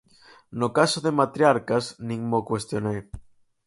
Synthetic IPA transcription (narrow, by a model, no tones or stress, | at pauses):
nokasoðemat̪ɾjaɾkasnĩŋmokwest̪jonej